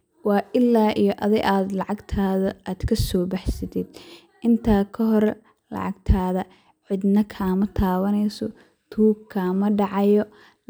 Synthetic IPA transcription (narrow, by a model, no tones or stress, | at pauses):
wɑːʔɪlːaːʔijɔʔɐðɐɡʔaːd̪lɑʕɑɡt̪ʰaːðɐʔaːd̪̥kʰɐsɔːbɑħsɐt̪ʰɪd̪ | ʔɪnt̪ʰaːkʰɐɦɔɾɛ | lɑ̰ʕɑ̰ɡt̪ʰaːðɐ | ʕɪd̪nɐkʰaːmɐt̪ʰaːβɐnɛjsɔ | t̪ʰuːkʰːaːmɐɖɑʕɑjɔ